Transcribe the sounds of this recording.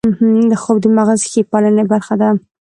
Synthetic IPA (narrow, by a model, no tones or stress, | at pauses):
m̩hm̩d̪əxob̚d̪əmaɣazxepɑlənebaɾxad̪a